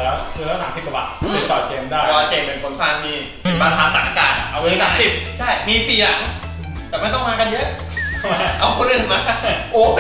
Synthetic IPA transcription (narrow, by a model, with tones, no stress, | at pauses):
lɛː˦˥wsɯː˧˦˥lɛː˦˥˩saː˨˦msi˨˩p̚ka˧˩ba̰˨˩t̪̚e˧˩t̪ɔː˨˩t̚keː˧mdaː˥˩ɔ˧waː˧˩t͡ɕeː˧me˧˩ŋkʰo˨˧˦nsaː˧˩nmiː˧ | paː˧t̪ʰaː˨˦˥t̪aː˨˩ŋʔaː˧˩kaː˨˩ʔa˧wi˦˥saː˨˦si˨˩p̚t͡ɕʰa˥˩jmiː˧siː˨˩ja˨˩ŋ | t̪ɛː˨˩ma˥˩jt̪ɔ˥˩ŋmaː˧ka˧njɤ˦˥ʔ | ʔa˧wkʰo˧˥nʔɯː˨˩ŋma˦˥ka˧˩ʔoː˨˩